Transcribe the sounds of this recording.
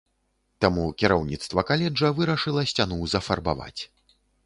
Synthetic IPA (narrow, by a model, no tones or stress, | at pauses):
t̪amukʲiɾawnʲit̪st̪vɐkalʲɛd͡ʐɐvɨɾɐʂɨlˠɐsʲt͡sʲanuwzɐfɐrba̰va̰t͡sʲ